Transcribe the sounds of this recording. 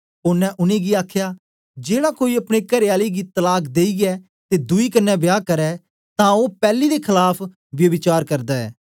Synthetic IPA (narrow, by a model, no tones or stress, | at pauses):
ʊnɛ̃ʔʊnẽːɡiaːkʰjaː | d͡ʒeːɽaːkoːiɐpɽ̃ekɐɾeaːliɡit̪ɐlaːkd̪eːiɡɛː | t̪eːd̪ʊiːkɐɾnːɛːbjaːkəɾɛː | t̪ãːoːpɛːliːd̪eːkʰɪlaːpʰ | ʋjɐbɪt͡ʃaːɾkɐɾd̪aːɛ̰ː